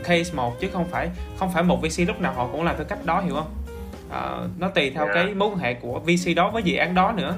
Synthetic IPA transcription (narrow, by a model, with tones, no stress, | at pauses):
kʰə˧smo˨˩t̚t͡ɕɨ˨˦xə˧wŋ͡mfaː˧˩jxə˧wŋ͡mfaː˧˩jmo˨˩t̚vi˧si˧lʊ˦˥k͡p̚naː˨˩whɔ̰˧˨kʊ̰˧˥ŋ͡mlaː˨˩mt̪ʰːjka˦˥k̚ɗɔ˨˦ɦḭ˧˩əwhə˧wŋ͡m | ʔə̰ː˨˩nɔ˨˦t̪i˨˩t̪ʰɛ˧wkaː˨˦jmu˧˦nɦḛ˧˨ku˧˩əvi˧si˧ɗɔ˨˦vəː˨˦jzḭ˨˩ʔaː˨˦nɗɔ˨˦nɨ̰˧˥ə